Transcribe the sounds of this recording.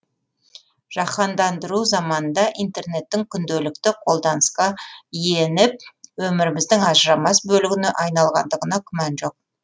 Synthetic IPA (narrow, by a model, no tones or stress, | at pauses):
ʒ̥ɑχɑnd̪ɑnd̪əɾuzɑmɑnənd̪ɑʔint̪e̞rne̞t̪ːɪŋkʲʰʏnd̪elɪk̚t̪ɪqʰo̞lˠd̪ɑnəsqɑije̞nɪp̚wɵmɪɾɪmɪzd̪ɪŋɑʒɾɑmɑsbɵlɪɡʲɪnɪʔɑjnɑlˠʁɑ̰nd̪əʁənɑkʲʰʏmɑnʒo̞q̚